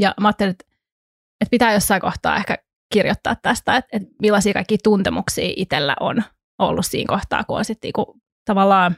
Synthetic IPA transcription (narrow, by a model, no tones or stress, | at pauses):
jɑmɑɑːt̪ːeliet̪ | et̪̚pit̪æːjosːɑiŋkoht̪ɑ̰ːehkæ | kirjot̪ːɑ̰ːt̪tːæst̪æet̪et̪milːɑsiːkɑikːiːt̪unt̪ɛmuksḭːʔit̪elːæ̰ʔo̰n | o̰lːussḭːŋkoht̪ɑ̰ːkuo̰nsit̪nḭːku | t̪ɑʋɑlːɑːn